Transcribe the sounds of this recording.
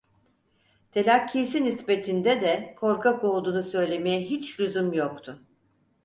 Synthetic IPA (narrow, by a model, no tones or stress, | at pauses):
t̪ʰe̞lʲacʰːiːsinisbe̞t̪ʰind̪ɛd̪ɛkʰo̞ɾkʰako̞lˠd̪uːnusø̞jlʲe̞mejɛɦit͡ʃɾyzumjokt̪ʰʊ